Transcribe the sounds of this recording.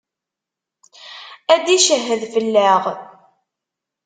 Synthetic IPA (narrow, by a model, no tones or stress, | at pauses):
æd̪iʃəɦːəðfəlːəʁ